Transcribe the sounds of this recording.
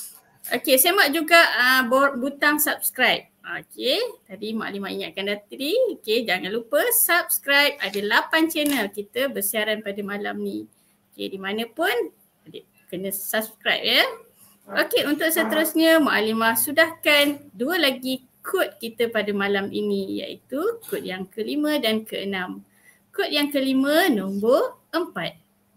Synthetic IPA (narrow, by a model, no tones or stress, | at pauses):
ʔo̰kesemaʔ̚d͡ʒuɡaʔəbobut̪aŋsap̚skɾajp̚oket̪adimaʔa̰limaiŋaʔ̪̚kandat̪ɾioked͡ʒaŋãnlupəsap̚skɾajp̚adəlapant͡ʃɛnəlkit̪əbərsiaɾanpadəmalamni | okḛdimanə̃pʊn | də | kənə̃saskɾajp̚ə | okeunt̪ʊʔ̚sət̪əɾʊsɲə̃maʔalimahsudahkanduəlaɡi | kʰʊt̪̚kit̪əpadamalamʔḭnija̰ʔḭt̪ukʊt̪̚jaŋkəlimə̃dankəənãm | kʊt̪̚jaŋkəlimə̃nomboʔəmpat̪̚